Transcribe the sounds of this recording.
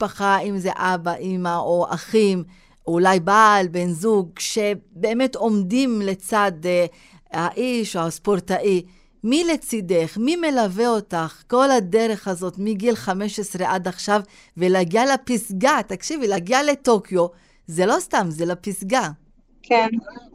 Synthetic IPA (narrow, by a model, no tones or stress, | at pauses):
paχaimzeʔabaʔimaʔoʔa̰χim | ulajbalbenzuɡ̚ʃe̞beːme̞to̞mdimle̞t͡sad̪ | haʔiʃohaspoɾtaʔi | mile̞t͡side̞χmime̞lave̞o̞taχko̞lhade̞ɾe̞χhazo̞tmiɡilχame̞ʃesʁeʔad̪aχʃav | veleaɡialapisɡat̪akʃivileaɡiale̞to̞kjo̞ | zelo̞stamzelapisɡa | kʰen